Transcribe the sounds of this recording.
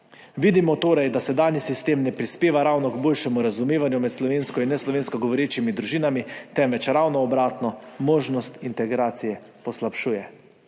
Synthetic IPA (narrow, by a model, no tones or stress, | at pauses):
ʋid̪imɔt̪oːɾajd̪asɛd̪aːnjisist̪eːmnɛpɾispeːʋaɾawnɔɡboːlʃɛmuɾazumeːʋanjumɛt̪slɔʋeːnskɔinːɛslɔʋeːnskɔɡɔʋɔɾeːt͡ʃimid̪ɾuʒiːnamit̪ɛmʋɛt͡ʃɾawnɔːbɾaːt̪nɔmoːʒnɔst̪int̪ɛɡɾaːt̪sijɛ | pɔslapʃuːjɛ